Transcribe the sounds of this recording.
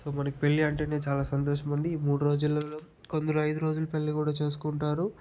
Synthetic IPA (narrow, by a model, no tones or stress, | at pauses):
so̞ːmɐnɐki̥pe̞ɭːiɐɳʈe̞ːne̞ːt͡ʃaːlaːsɐnt̪oːʃɐmɐɳɖiːmuːɽuɾo̞ːd͡ʒulːɐloː | ko̞nd̪ɐɾuɐjd̪uɾo̞ːd͡ʒulɐpe̞ɭːikuːɽaːt͡ʃe̞ːs̬u̥kuɳʈaːɾu